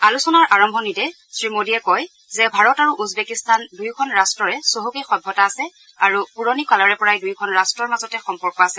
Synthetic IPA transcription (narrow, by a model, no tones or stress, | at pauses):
alusɔnaɹʔaɹɔmbʱɔnitɛ | sɹimodiɛkɔj | zɛbʱaɹɔtaɹuʔuzbekistʰandujkʰɔnɹastɹɔɹɛsoɦukexɔbʱːɔtaːsɛ | aɹupuɹonikalɔɹɛpɔɹajdujkʰɔnɹastɹɔɹmazɔtɛxɔmpɔɹkɔasɛ